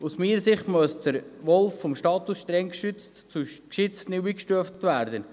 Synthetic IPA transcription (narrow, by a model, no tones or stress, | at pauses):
usmiːəsɪχtmusd̥əɾʋɔlfːɔmʃtɑːt̪usʃtɾɛŋkʃʏt͡stt͡suʃkʃɪt͡stnɪwiːkʃtyəftʋæːɾdən